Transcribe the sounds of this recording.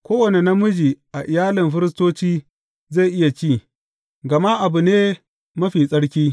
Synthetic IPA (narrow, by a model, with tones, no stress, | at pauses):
kʷoː˦wɐ˨ne˨na˦mʊ˦d͡ʒi˨ʔa˨ʔɪ˨jaː˦lɪ˨mɸɪ˦ɾɪ˦s̬toː˦t͡ʃiː˦ | ze˦˨ʔɪ˦ja˨t͡ʃiː˦˨ | ɡɐ˨ma˦ʔa˨bu˨neː˦ | mɐ˦ɸiː˨sʼɐ˦ɽkʲiː˦